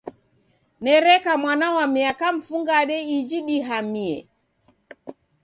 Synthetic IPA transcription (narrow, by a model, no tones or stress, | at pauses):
nɛɾɛkamwanawamiakam̩fuŋɡaɗɛid͡ʒiɗiɦamiɛ̰